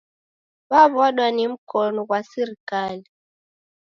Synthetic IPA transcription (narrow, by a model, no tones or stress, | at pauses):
βaβɔɗwanim̩kɔnɔɣwasiɾikali